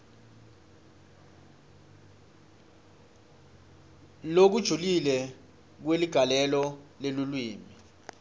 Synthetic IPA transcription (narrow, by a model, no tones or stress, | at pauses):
lok̬ud̥ʒ̥ʱulilɛ | k̬weliɡ̥ʱalɛlɔlelulwiːmi